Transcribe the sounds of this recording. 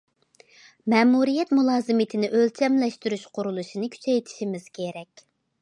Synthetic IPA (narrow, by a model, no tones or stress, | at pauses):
mɛːmuɾijɛt̪mulˠɑːzɨmɨt̪ʰɪnɪʔølt͡ʃʰɛmlɛʃt̪yɾyʃqʰʊɾulˠuʃinɨkʲʰy̥t͡ʃʰɛjt̪ʰi̥ʃimɪz̥kʲʰeɾɛkʲ